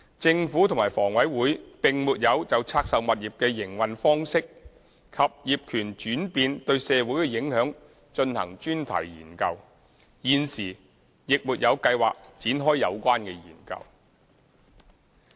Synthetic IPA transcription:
t͡sɪ˧ŋfuː˨˥t̪ʰmaː˨˩fɔː˨˩ŋwɐ˨˥jwuː˨˥jpɪ˨ŋmuː˨t̚jɐ˨˧wt͡sɐ˨wt͡sʰaː˧k̚sɐ˨wmɐ˨t̚jiː˨p̚kɛː˧jɪ˨˩ŋwɐ˨nfɔː˥ŋsɪ˥k̚ | kʰɐ˨p̚jiː˨p̚kʰyː˨˩nt͡ʃyː˨˥npiː˧nt̪ɵ˧ɥsɛː˧wuː˨˥jkɛ˧jɪ˨˥ŋhœː˨˥ŋ | t͡ʃɵ˧nhɐ̰˨˩ŋt͡ʃyː˥nt̪ʰɐ̰˨˩jjḭː˨˩nkɐ˧w | jiː˨nsiː˨˩ | jɪ˨k̚muː˨t̚jɐ˨˧wkɐ˧jwa̰ː˨k̚t͡siː˨˥nɦɔː˥jjɐ̰˨˧wkʷaː˥nkɛː˧jḭː˨˩nkɐ̰˧w

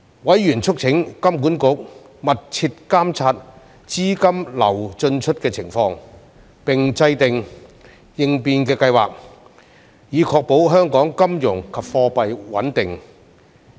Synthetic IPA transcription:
wɐ˨˥jjyː˨˩nt͡ʃʰʊ˥k̚t͡sʰɪ˨˥ŋkɐ˥mkuː˨˥nkʊ˨˥k̚ | mɐ˨t̚t͡sʰi˧t̚kaː˥mt͡sʰaː˧t̚ | t͡siː˥kɐ˥mlɐ̰˨˩wt͡ʃɵ˧nt͡ʃʰɵ˥t̚kɛː˧t͡sʰɪ˨˩ŋfɔː˧ŋ | pɪ˨˩ŋt͡sɐ˧jt̪ɪ˨ŋ | jɪ˨ŋpiː˧nkɛː˧kɐ˧jwa̰ː˨k̚ | jiː˨˧kʰɔː˧k̚po˨˥wɦœː˥ŋkɔː˨˥ŋkɐ˥mjʊ˨˩ŋkʰɐ˨p̚fɔː˧pɐ˨jwɐ̰˨˥nt̪ɪ˨ŋ

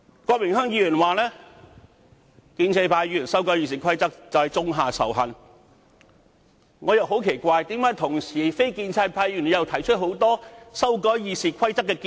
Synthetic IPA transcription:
kɔː˧k̚mɪ˨˩ŋhœː˥ŋjiː˨˧jyː˨˩nwaː˨˩lɛː˥ | kiː˧nt͡sʰɛː˧pʰaː˧jyː˨y˨˩nsɐ˥wkɔː˨˥jiː˧s̬iː˨˩kʰɐ˥jt͡sɐ˥k̚t͡sɐ˨whɐ˨˩jt͡sʊ˥ŋɦaː˨˩sɐ̰˨˩wɦɐ˨n | ŋɔː˨˧jɐ˨who˨˥wkʰe˨˩jkʷaː˧jt̪iː˨˥mkaː˨˥jt̪ʰʊ˨˩ŋsiː˨˩fe˥jkiː˧nt͡sʰaː˧pʰaː˧jyː˨˩n˨˧jɐ˨wt̪ʰɐ˨˩jt͡ʃʰɵ˥t̚ho˨˥wt̪ɔː˥sɐ˥wkɔː˧˥jjiː˨˧siː˨˩kʰɐ˥jt͡sɐ˥kːɛː˧kː

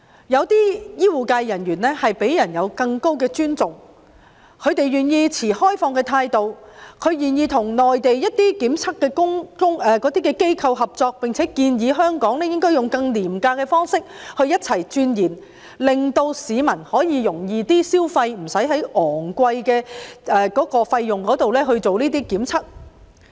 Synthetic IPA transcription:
jɐ˨˧wt̪iː˥jiː˥wuː˨˩kaː˧jːɐ˨˩njyː˨˩nlɛː˥hɐ˨jpe˨˥jjɐ˨˩njɐ˨˧wkɐ˧ŋko˥wkɛː˧t͡ʃyː˥nt͡sʊ˨ŋ | kʰɵ˨˧ɥt̪e˨jɥyː˨˩njiː˧t͡sʰiː˨˩hɔː˥jfɔː˧ŋkɛː˧t̪ʰaː˧jt̪o˨˧wkʰɵ˨˧ɥjyː˨˩njiː˧t̪ʰʊ˨˩ŋnɔː˨jt̪e˨jjɐ˥t̚t̪iː˥kiː˨˥mt͡sʰɐ˥k̚kːɛː˧kʊ˥ŋkʊ˥ŋʔɛː˨kɔː˨˥t̪iː˥kɛː˧ke˥jkʰɐ˧wɦɐ˨p̚t͡sɔː˧k̚pɪ˨ŋt͡sʰɛː˨˥kiː˧njiː˨˧ɦœː˥ŋkɔː˨˥ŋlɛː˥jɪ˥ŋkɔː˥jʊ˨ŋkɐ˧ŋliː˨˩mkaː˧kɛː˧fɔː˥ŋsɪ˥k̚hɵ˧ɥjɐ˥t̚t͡sʰɐ˨˩jt͡ʃyː˧njiː˨˩n | lɪ˨ŋt̪o˧wsiː˨˧mɐ˨˩nhɔː˨˥jiː˨˧jʊ˨˩ŋjiː˨˧t̪iː˥siː˥wfɐ˧jm̩˨˩sɐ˨˥jɦɐ˨˥jʔɔː˨˩ŋkʷɐ˧jkɛː˧ʔɛː˨kɔː˨˥kɔː˧fɐ˧jːʊ˨ŋkɔː˨˥t̪o˨wlɛː˥ɦɵ˧ɥt͡so˨wniː˥t̪iː˥kiː˨˥mt͡sʰɐ˥k̚

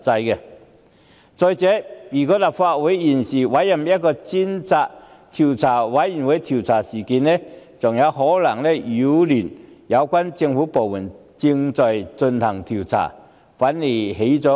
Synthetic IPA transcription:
t͡sa˧jkɛ˧ | t͡sɔ˧jt͡sɛː˨˥mi˨˩kɔ˧˥la˨˩p̚fa˧t̚we˨˧˥ji˨˩nsi˨˩wa˨˦˥ja˨˩mja˥kːɔ˧t͡si˥nt͡sa˧k̚ | t̪ʰi˨˩wt͡sʰaː˨˩wa˨˥jji˨˩nwe˨˦˥jt̪ʰi˨˩wt͡sʰaː˨˩siː˨˩ki˨˦nːɛ˧˩t͡sʊ˨˩ŋja˨˧˦wɦɔ˨˥la˨˩ŋlɛ˧˩ju˨˦ly˨˩njɐ˨˧wkwa˥nt͡si˧ŋfuː˨˦˥po˨˩wmu˨˩n | t͡ɕi˧ŋt͡sɔ˧˩jt͡sə˧nt̪ʰɐ˨˩ŋt̪ʰi˨˩wt͡sʰa̰˨˩ | faː˨˥nli˨˩ɦe˨˥jt͡sɔ˨˧˥

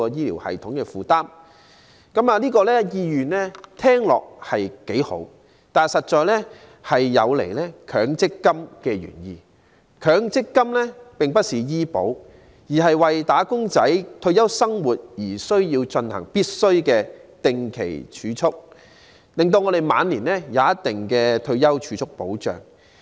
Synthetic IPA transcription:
ɔː˧jiː˥lḭː˨˩whɐ̰˨jt̪ʰʊ˨˥ŋkɛː˧fuː˨˩t̪aː˥m | kɐ˨˥maː˨˧liː˥kɔː˧lɛː˥jiː˧jyː˨nlɛː˥t̪ʰɛː˥ŋlɔ̰ː˨k̚hɐ˨jke˨˥jho̰˨˥w | t̪aː˨nsɐ˨t̚t͡ʃɔː˨jlɛ˥ | hɐ˨jːɐ˨˧wlḛ˨˩jlɛː˥kʰœː˨˧˥ŋt͡sɪ˥kːɐ˥mkɛː˧ɥy̰ː˨˩njḭː˨ | kʰœː˨˥ŋt͡sɪ˥kːɐ˥mlɛː˥pɪ˨ŋpɐ˥t̚siː˨jiː˥po̰˨˥w | jiː˨˩ɦɐ˨jwɐ˨jt̪aː˨˥kʊ˥ŋt͡sɐ˨˥jt̪ʰɵ˧ɥjɐ˥wsɐ˥ŋwuː˨˩t̚jiː˨˩sɵ˥ɥjiː˧wt͡ʃɵ˧nhɐ̰˨˩ŋpiː˥t̚sɵ˥ɥkɛː˧t̪ɪ˨ŋkʰḛ˨˩jt͡ʃʰyː˨˧t͡sʰʊ˥k̚ | lɪ˨ŋt̪o˧wŋɔ˨˧ɾe˨jma̰ː˨˧nliː˨˩nlɛː˥jaː˨˧jɐ˥tt̪ɪ˨ŋkɛː˧t̪ʰɵ˧ɥjɐ˥wt͡ʃʰyː˨˧˥t͡sʰʊ˥k̚po̰˨˥wt͡ʃœ̰ː˨˩ŋ

